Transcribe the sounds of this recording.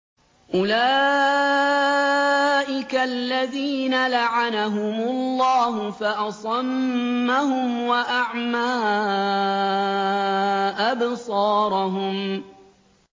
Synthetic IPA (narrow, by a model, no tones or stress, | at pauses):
ʔʊlaː | ʔɪkalːaðiːnalaʕanaɦʊmʊlːɑːɦʊfaʔɑsˤɑmːahʊmwaʔaʕmaː | ʔabsˤɑːɾˤɑɦʊm